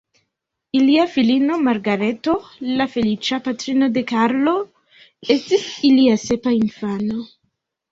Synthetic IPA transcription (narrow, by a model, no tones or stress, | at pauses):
iliafilino̞maɾɡaɾet̪olafelit͡ʃapat̪ɾinod̪ekaɾlo | est̪isiliasepainfano